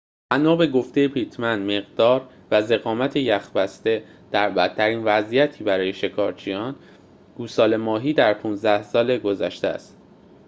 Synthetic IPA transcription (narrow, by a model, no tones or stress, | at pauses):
bænɒːbe̞ɡo̞ft̪e̞jebɾiːt̪ʰmænd̪me̞ɣd̪ɒːɾ | væze̞ɣɒːmæt̪ʰejæxbæst̪e̞ | d̪̥æɾbæt̪ʰːæɾiːnvæzijæt̪ʰiːbæɾɒːje̞ʃe̞kʰɒːɾt͡ʃʰijɒːn | ɡ̥uːsɒːle̞mɒːɦiːd̪æɾpʰũnzd̪æhsɒːle̞ɡo̞zæ̰ʃt̪æ̰st̪